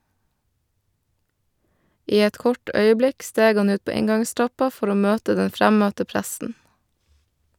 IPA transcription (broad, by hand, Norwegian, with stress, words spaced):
ˈiː ˈɛt ˈkɔʈ ˈœʏəˌblɪk ˈsteːɡ ˈhɑn ˈʉːt ˈpoː ˈɪŋɡɑŋˌstɾɑpɑ ˈfɔɾ ˈoː ˈmøːtə ˈdɛn ˈfɾæmœtə ˈpɾæsn̩